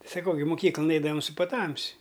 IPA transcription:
sɐˈkɐʊ ɡʲɪ mʊˈkʲiːklˠɐn ˈɛɪdɐʋɐm sʊ pɐˈtɐmʲsʲɪ

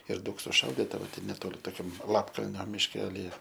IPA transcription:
ɪr ˈdɐʊk sʊˈʃɐʊdʲɪtɐ ˈʋɐ ˈtʲɛn nʲɛˈtoːlʲɪ toːˈkʲɛm ˈlˠɑːpkɐlʲnʲoː mʲɪʃʲˈkʲæːlʲɪjɛ

